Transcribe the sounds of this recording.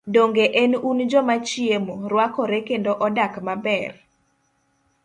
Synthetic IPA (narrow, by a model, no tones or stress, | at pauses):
doŋɡeʔenund͡ʒɔmat͡ʃɪemoɾwakɔɾekendoʔɔdakmabɛr